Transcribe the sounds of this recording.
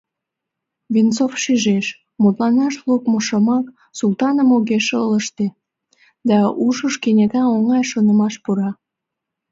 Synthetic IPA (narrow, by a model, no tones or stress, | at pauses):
vʲint͡sofʃyʒeʃ | mut̪lɑnɑʃlukmoʃɑmɑk | sult̪ɑnəmoɣeʃələʃt̪e | d̪ɑuʃəʃkenʲek̪ɑoŋɑjʃonə̆mɑʃpuɾɑ